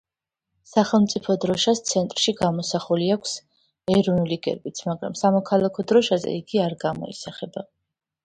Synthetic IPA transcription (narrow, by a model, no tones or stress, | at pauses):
saχɛlˠmt̪sʼipʰɔd̪ɾɔʃast̪sʰɛnt̪ʼɾʃiɡamɔsaχuliakʷʰs | ɛɾɔvnuliɡɛ̰ɾbit̪sʰmaɡɾa̰msamɔkʰalˠakʰɔd̪ɾɔʃazɛ̰iɡiaɾɡamɔ̰ḭsaχɛba